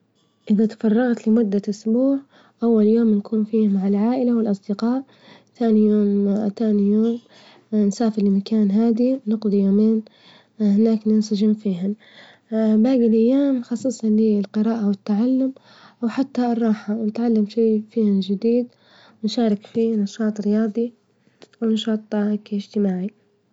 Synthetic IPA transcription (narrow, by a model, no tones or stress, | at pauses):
ʔɪðat̪ḁfɑrˤːɑɣt̪lɪmʊd̪ːaʔʊsbuːʕ | ʔawːaljoːmnkʰuːnfiːhmaʕɪlʕaːʔɪlawɪlʔɑsˤd̪ɪqɑːʔ | θaːnijoːmt̪aːnijoːm | nsaːfɪɾlmakaːnɦaːd̪inɪqd̪ˤijoːmeːn | hɪnaːknɪnsad͡ʒɪmfiːhan | baːɡɪlʔajːaːmxɑsˤːɨsˤaliːlqɨɾaːʔawɪt̪ːaʕalːʊm | ʔwħat̪ːarˤːɑːħawnɪt̪ʕalːamʃeːfiːhand͡ʒɪd̪iːd̪ | wnʃaːɾˤɪkfiːnɑʃɑːt̪ˤɾɪjɑːd̪ˤi | wnɑʃɑːt̪ˤːɑkɪʒt̪ɪmaːʕi